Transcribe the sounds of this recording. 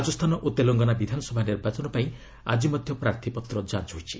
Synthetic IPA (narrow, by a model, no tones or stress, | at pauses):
d͡ʒɔst̪ʰanɔʔut̪eloŋɡɔnabid̪ʱanɔsɔbʱaniɾbat͡ʃɔnɔpaĩ | a̰d͡ʒimɔd̪ʱjɔpɾaɾt̪ʰipɔt̪ɾɔd͡ʒant͡ʃɦojt͡ʃʰi̥